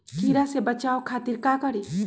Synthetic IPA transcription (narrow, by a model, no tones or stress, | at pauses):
kʰiɾasebət͡ʃaokʰat̪iɾkakʌɾi